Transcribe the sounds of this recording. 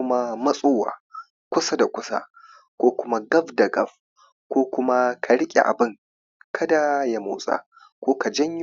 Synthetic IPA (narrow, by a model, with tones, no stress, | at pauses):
ma˦mɐ˦sʼoː˦wa̰ː˨ | kʷʊ˦sa˦da˨kʷʊ˦sa̰˦ | kʷoː˦kʷʊ˦ma˦ɡɐ˦ɸda˨ɡɐ˦ɸ | kʷoː˦kʷʊ˦ma˦kʰa˨ɽɪ˦kʲʼḛ˨ʔa̰˨bɪ˦ŋ | kʰɐ˦da˨ja˨moː˨sʼa̰˦ | kʷoː˦ka˨d͡ʒɐ˦ɲj